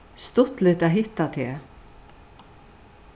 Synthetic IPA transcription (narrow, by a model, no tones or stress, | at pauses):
st̪ʊt̪lɪt̪aɦɪht̪ːat̪ʰeː